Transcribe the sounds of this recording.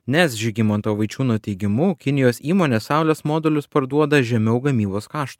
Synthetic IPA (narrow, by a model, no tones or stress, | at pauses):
nʲɛsʒʲɪɡʲimɐnt̪oːʋɐɪt͡ʃʲuːnuɔt̪ʲɛɪɡʲɪmuːkʲɪnʲɪjoːsʲiːmoːnʲeːsːɑˑʊlʲɛsmoːd̪ʲɛlʲʊspɐɾd̪uɔd̪ɐʒʲɛmʲɛʊɡɐmʲiːboːskɑːʃt̪u